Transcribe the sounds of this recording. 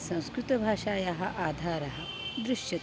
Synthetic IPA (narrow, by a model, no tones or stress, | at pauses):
sɐ̃w̃skɾut̪ɐbʱaːʂaːjɐɦɐʔaːd̪ʱaːɾɐɦɐ | d̪ɾuʂjɐ